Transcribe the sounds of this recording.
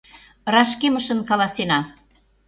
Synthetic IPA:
rɑʃkemə̆ʃə̆nkɑlɑsenɑ

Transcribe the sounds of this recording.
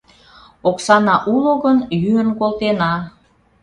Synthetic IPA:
oksɑnɑʔuloɣənjyənkolt̪enɑ

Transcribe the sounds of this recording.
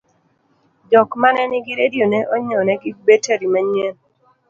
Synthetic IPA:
dɔkmanɛnɪɡiɾedjoneʔɔɲɔnɛɡɪbeteɾimaɲen

